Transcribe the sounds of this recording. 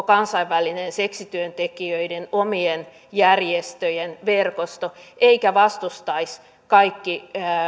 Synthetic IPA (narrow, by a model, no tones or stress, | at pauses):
kɑnsɑiʋʋælinenseksit̪yønt̪ekiøidenomien | jærjest̪øjenʋerkost̪oʔeikæʋɑst̪ust̪ɑis | kɑikːi